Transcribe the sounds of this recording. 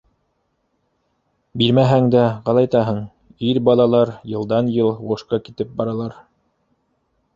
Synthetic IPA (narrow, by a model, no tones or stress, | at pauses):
biɾmæɦæŋd̪æʁɑlˠɑjt̪ɑɦɤɴ | iɾbɑlˠɑlˠɑɾjɤ̆lˠd̪ɑnjɤlˠʁuʃqɑkit̪ɘp̚bɑɾɑlˠɑɾ